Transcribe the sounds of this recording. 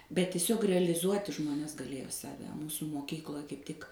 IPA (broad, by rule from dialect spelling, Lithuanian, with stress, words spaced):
bʲɛt tʲɪˈsʲoːk rʲɛlʲɪˈzuɔtʲɪ ˈʒmoːnʲɛs ɡɐˈlʲeːjoː ˈsɑːʋʲɛ ˈmuːsʊ moːˈkʲiːklˠoːj kɐɪp ˈtʲɪk